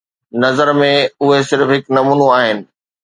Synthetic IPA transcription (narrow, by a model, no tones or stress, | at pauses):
nɐzəɾmẽʊɦesɪɾfɦɪknɐmuːnoaːɦɪnɪ̆